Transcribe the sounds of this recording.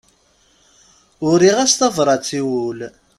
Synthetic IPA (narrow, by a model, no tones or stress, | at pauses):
ʊɾiʁæst̪ɑvɾˤɑt͡sːiwul